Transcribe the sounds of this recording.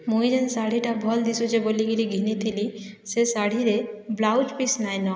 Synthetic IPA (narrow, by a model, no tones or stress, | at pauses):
mujd͡ʒensaɽ̤iʈabʱɔld̪isud͡ʒeboliɡiliɡʱinit̪ʰili | sesaɽ̤iɾeblawt͡ʃpisnajnɔ